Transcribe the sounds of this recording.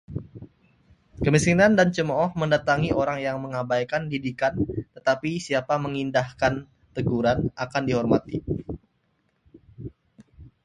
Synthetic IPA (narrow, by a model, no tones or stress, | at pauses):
kəmisinandant͡ʃəmɔɔhməndat̪aŋiʔoɾaŋjaŋməŋabajkandidikant̪ət̪apisiapaməŋindahkan | t̪əɡuɾanakandiɦɔrma̰t̪i